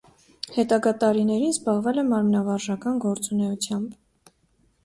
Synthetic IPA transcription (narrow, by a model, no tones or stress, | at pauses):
hɛt̪ɑɡɑt̪ɑɾinɛɾinzbɑʁvɛlɛmɑɾmnɑvɑɾʒɑkɑnɡɔɾt͡sunɛut͡sʰjɑmb